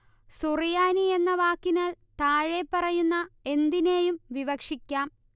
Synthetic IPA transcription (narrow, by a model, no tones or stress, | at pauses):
surijaːnie̞nːɐʋaːkːinaːl | t̪aːɻepːɐrɐjunːɐe̞nd̪ine̞ːjumʋiʋɐkʂikʲːaːm